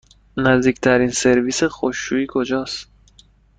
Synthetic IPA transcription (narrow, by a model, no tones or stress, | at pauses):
næzd̪iːct̪ʰæɾiːnse̞ɾviːsexoʃːuiːkʰo̞d͡ʒɒːst̪